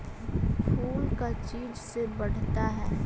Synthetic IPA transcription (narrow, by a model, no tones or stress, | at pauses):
pʰuːlkat͡ʃiːd͡ʒsebɐɽ̤t̪aɦɛː